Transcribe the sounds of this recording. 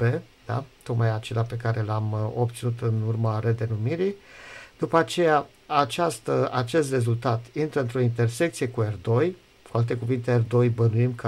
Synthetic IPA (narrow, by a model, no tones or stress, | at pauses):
e̞d̪a̰t̪o̞kmajat͡ʃe̞lape̞kaɾe̞lamo̞p̚t̪sinut̪ɨnurmaɾe̞d̪e̞numiɾijd̪̥upəat͡ʃe̞ja | at͡ʃast̪əat͡ʃe̞st̪re̞zult̪at̪int̪ɾəɨnt̪ɾo̞int̪e̞rse̞k̚t̪sijekuerd̪o̞j | foalt̪e̞kuvint̪e̞erd̪o̞jbənuimkə